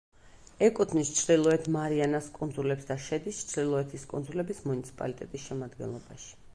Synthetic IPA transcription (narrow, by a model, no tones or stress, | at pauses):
ɛkʼut̪ʰnist͡ʃʰd̪ilˠɔɛt̪ʰmaɾianaskʼund̪zulɛpsd̪aʃɛd̪ist͡ʃʰɾilˠɔɛt̪ʰiskʼṵnd̪zulɛbismunit̪sʰi̥pʼa̰lit̪ʼɛt̪ʼisʃɛmad̪ɡɛ̰nlˠɔbaʃi̥